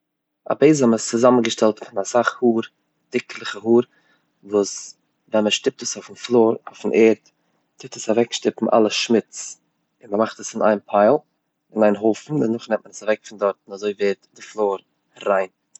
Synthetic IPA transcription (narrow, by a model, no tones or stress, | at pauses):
a̰beɪzaməst͡sʊzamən̩ɡəʃtɛlˠtfɪnasaχhuːɾ | d̥ɪklˠəχəɦuːɾ | vuːs | vɛnməʃtɪp̚təsaʊfn̩flˠoːɾaʊfn̩ʔeːɾt | tɪp̚təsavɛkʃtɪpn̩ʔa̰lˠəʃmɪt͡s | ɪnməmaχtəsɪna̰ɪnpʰaɪlˠ | ɪnaɪnɦʊlˠfn̩ɪnʊχnɛmt̚mənəsavɛkfɪndɔɾtnazoɪveːtdɪflˠoːɾ | ɾaɪn